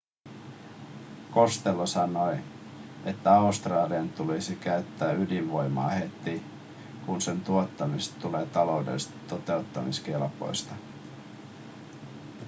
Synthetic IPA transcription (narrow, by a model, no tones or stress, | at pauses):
ko̞st̪elːosɑno̞j | e̞t̪ːæɑust̪rɑːliɑnt̪ulisikæyt̪ːæːydiʋʋo̞jmɑ̰ːhe̞t̪i | kunse̞nt̪uot̪ːɑmist̪ule̞ːt̪ɑlo̞udḛlst̪t̪o̞t̪e̞ut̪ːɑ̰mḭsk̟elpo̞̰jst̪ɑ